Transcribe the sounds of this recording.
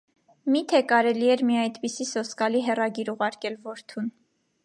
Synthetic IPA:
mit̪ʰɛkɑɾɛliɛɾmiɑjd̪pisisɔskɑliɦɛrɑɡiɾuʁɑɾkɛlvɔɾt̪ʰun

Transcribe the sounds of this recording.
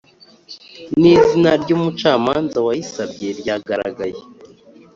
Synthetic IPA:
niːzinaɾɟoːmut͡ʃaːmaːnzawajisabɟe̞ɾjaɡaɾa̰ɡaje

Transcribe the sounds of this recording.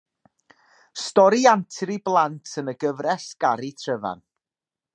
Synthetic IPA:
stɔɾiantʰɾiblˠantʰənəɡəvrɛsɡ̥aɾitʰrəva̰n

